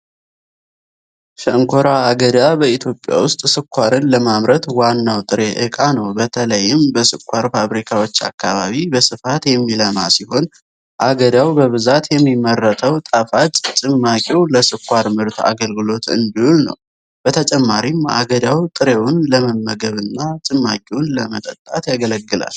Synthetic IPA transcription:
ʃəŋkʰo̞ɾaːɡəd̪abəit̪ʰjo̞pʼja̰wʊst̪ʼsɨkʰʷːaɾɨnləmamɾət̪wanːawt̪ʼɨɾe̞ʔɨkʼanəwbət̪ʰələjːɪmbəsɨkʷʰːaɾfaβɾikʰawo̞t͡ʃːa̰kːaβa̰βibəsɨfat̪jɛmːiləma̰siho̞n | ʔaɡəd̪awbəβɨzat̪jɛmːimːərːət̪ʰəwt̪ʼəfat̪ʼt͡ʃʼɨmːakʼiwləsɨkʰʷːaɾmɨɾt̪ʰa̰ɡəlɡɨlo̞t̪ɨ̰nd̪ihulnə̰w | b̥ət̪ʰət͡ʃʼɛmːaɾima̰ɡəd̪awt̪ʼɨɾewʊnləməmːəɡəβɨnːat͡ʃʼɨmːakʼiwʊnləmət̪ʼət̪ʼːat̪jaɡələɡːɨla̰l

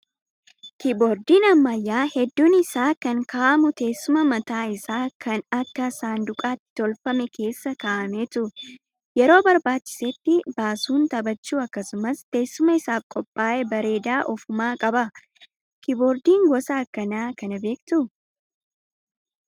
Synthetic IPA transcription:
kɪboːɾd̪iːnɐmːɐjːaːhɛd̪ːuːnɪsaːkɐŋkaːʔɐmʊt̪e̞ːsːʊmɐmɐt̪aːɪsaːkʰɐnɐkːɐsaːnd̪ʊkʼaːt̪ːɪ̥t̪ɔlfɐmɛke̞ːsːɐkaːʔɐmeːt̪ʊ | jɛɾo̞ːbɐɾbaːt͡ʃːɪ̥sɛt̪ːɪbaːsuːnt̪ɐbɐt͡ʃːuːɐkːɐsʊmɐst̪e̞ːsːʊmɐɪsaːfkʼɔpʼːaːʔɛbɐɾe̞ːd̪aːʔɔfʊmaːkʼɐbɐ | kɪboːɾd̪iːŋɡɔsaːkːɐnaːkɐnɐbe̞ːkt̪ʊ

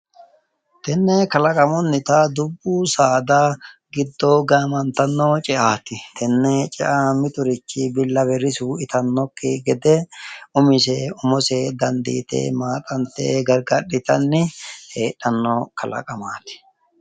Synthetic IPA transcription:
t̪ɛnːɛkɐlɐkʼɐmɔnːɪt̪ɐd̪ʊbːuːsaːd̪aɡɪd̪ːoɡaːmɐnt̪ɐnːoːt͡ʃʼɛʔaːt̪ɪt̪ʰɛnːɛt͡ʃʼɛʔamɪt̪ʊɾɪt͡ʃːɪbɪlːɐbɛɾɪsuːɪt̪ɐnːɔkːɪɡɛd̪ɛʊmɪsɛʊmɔsed̪ɐnd̪ḭːt̪ḛːmaːt̪ʼɐnt̪ḛːɡɐɾɡɐɗːɪt̪ɐnːɪheːɗɐnːɔkʰɐlɐ̰kʼɐmaːt̪ɪ̥

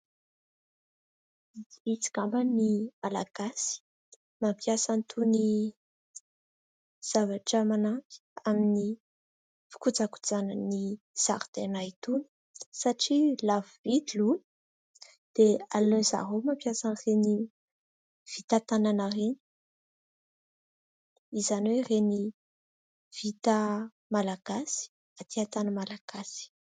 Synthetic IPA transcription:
it͡si̥kambənimalaɡ̥asi̥ | mampʰjasant̪ʰuni | z̥avaʈ͡ʂəmanampi̥ | amini | fi̥kud͡zaku̥d͡zanəni | z̥a̰ɾd̪enajt̪uni̥ | saʈ͡ʂilavvid̪ilun | d̪̥ealønza̰ɦomampjasanreni | v̥it̪at̪ananareni̥ | izanwereni | v̥it̪ə | malaɡ̥asi̥ | at̪iat̪anəmalaɡ̥asi̥

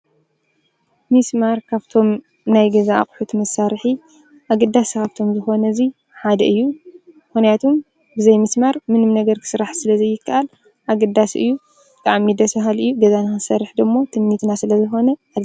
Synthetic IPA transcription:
mismaɾkʰaβt̪ʰo̞m | najɡɐza̰ːkʼħut̪ʰmɐsːaɾħi | ʔaɡɐd̪ːaskʰaβt̪ʰomzɨxo̞nɐzi | ħad̪ɐʔɨjːumɨxnijat̪ʰom | bɨzɐjmɨsmaɾmɨnɨmnɐɡɐɾkʰɨ̥sɨɾaħsɨlɐzɐjːɪkːaʔal | ʔaɡɐd̪ːasɨ̰jːu | bɨt̪ʼaʕmid̪ɐsfɐɦalɨjːuɡɐzanɨxɨsɐɾːɨħd̪ɨmːo̞t̪ʰɨmmit̪nasɨlɐzɨxo̞nɐal

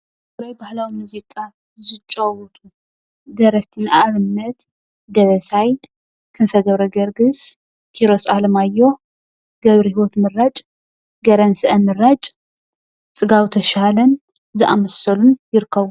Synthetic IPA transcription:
ɨɾajbahlawimɨzikʼa | zɨt͡ʃʼːɐwɔt̪ʼu | d̪ɐɾɐft̪ʰinaβɨnːɐt̪ | d̪ɐβɐsaj | kʰɨnfɐɡɐβɾɐɡɐɾɡɨs | kʰiɾo̞sʼalɐmajːo̞ | ɡ̥ɐβɾihiwot̪mɨrat͡ʃʼ | ɡɐɾɐnsɨʔɐnmɨrat͡ʃʼ | t͡sʼɨɡawt̪ʰɐʃalɐn | zɨʔamɐsɐlunjɪɾɨkʰːɐβu

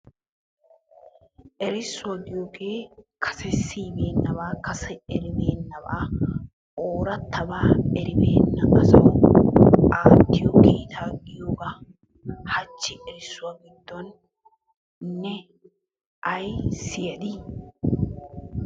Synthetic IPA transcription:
ʔɛɾɪsːʊd̪ɪjoːɡeːkʰɐ̥sɛsiːbeːnːɐbaːkɐsɛɛɾɪbeːnːɐba̰ː | oːɾɐt̪ːɐbaːɛɾɪbeːnːɐʔɐsɐw | aːt̪ːɪjoɡiːt̪ʰaːɡɪjoːɡɐ | hɐt͡ʃːɪʔɛɾɪsːʊwaːɡɪd̪ːɔn | nːɛ | ʔɐjsɪjɐd̪i

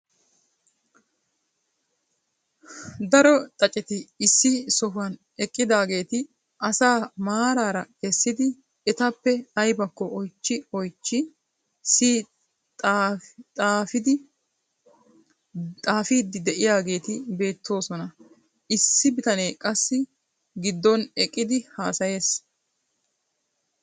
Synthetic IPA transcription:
d̪ɐɾɔt̪ʼɐt͡ʃʼɛt͡ʃt̪ɪɪsːɪsɔɦʊɐn | ɛkʼːɪd̪aːɡe̞ːt̪ɪ | ʔɐsaːmaːɾaːɾɐkɛsːɪd̪ɪ | ɛt̪ɐpːɛɐjbɐkːɔʔɔjt͡ʃːɪɔjt͡ʃːɪ | si | t̪ʼt̪ʼaːfɪd̪ɪ | t̪ʼaːfiːd̪ːɪd̪ɛʔɪjaːɡe̞ːt̪ɪbe̞ːt̪ʰːo̞ːsɔnɐ | ɪsːɪbɪt̪ɐne̞ːkʼɐsːɪ | ɡɪd̪ːɔnɛkʼːɪd̪ɪhaːsɐje̞ːs

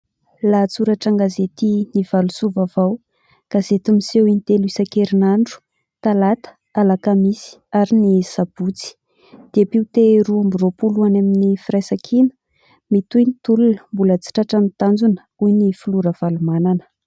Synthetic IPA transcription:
lat͡suɾaʈ͡ʂaŋɡazet̪iniv̥alusuvavaw | ɡ̥azet̪umisewinit̪eluisakeɾinaɳɖ͡ʐu̥ | t̪alat̪ə̥ | alakamisi̥aɾinisab̥ut͡si̥ | d̪̥eapiut̪eɾuambiropuluanaminifirajsakʰinə̥ | mit̪ujnit̪ulunəmbulət͡si̥ʈ͡ʂaʈ͡ʂanit̪and͡zunə̥ | ujnifuluɾəv̥alumananə̥

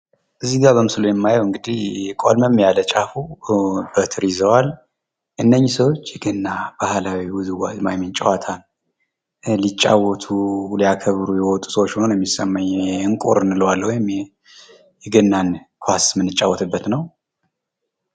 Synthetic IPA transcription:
ʔɨzːiɡaβəmɨslujɛmːajəwɨŋɡɨd̪ihkʼolməmːjalət͡ʃʼafubət̪ʰɨɾizəwal | ʔɨnːəɲːsəwot͡ʃːjɛɡɨnːab̥ahlawiwuzuwamajmɛnt͡ʃʼɛwat̪ʰal | lit͡ʃʼːa̰wɔt̪ʰulijakʰəβɾujɛwɔt̪ʼu̥səwot͡ʃːho̞nəjɛmːisəmːaɲːɛɨŋkʼuɾɨnləwalwɔjɪm | jɛɡɨnːankʰasmɨnːɨt͡ʃʼːawːɔt̪ʰɨbːət̪nəw

